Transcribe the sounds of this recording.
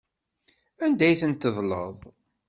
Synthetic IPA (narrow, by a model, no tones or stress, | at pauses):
ænd̪æjθənt̪ːəðˤlə̰ðˤ